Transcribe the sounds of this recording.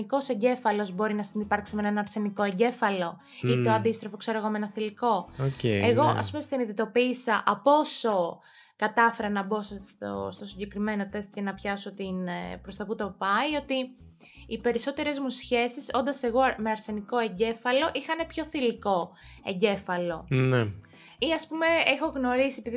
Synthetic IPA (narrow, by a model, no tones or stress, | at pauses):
iko̞se̞ɲɟe̞fɐlo̞zbo̞ɾinɐsinipɐɾksimenenɐɾse̞niko̞eɲɟe̞fɐlo̞ | it̪oɐnd̪ist̪ɾɐfo̞kse̞ɾoɣomeenɐθiliko̞oceeɣo̞ʔɐ̰spumesiniðet̪o̞piːsɐʔɐpo̞so̞ | kɐt̪ɐfe̞ɾɐnɐbo̞sso̰st̪o̞siɲɟe̞kɾime̞no̞t̪e̞st̪ce̞nɐpçɐso̞t̪inpɾo̞st̪ɐput̪o̞pɐio̞t̪iː | pe̞ɾiso̞t̪e̞ɾe̞zmusçe̞siso̞nd̪ɐse̞ɣo̞me̞ɐɾse̞niko̞e̞ɲɟe̞fɐlo̞ʔixɐnepço̞θiliko̞eɲɟe̞fɐlo̞ne | iɐspume̞exo̞ɣno̞ɾisiepiði